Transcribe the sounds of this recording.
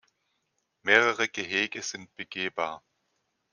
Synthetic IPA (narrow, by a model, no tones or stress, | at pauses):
meːʁəʁəɡ̥əɦeːɡəz̥ɪnt̚b̥əɡ̥eːbaːɐ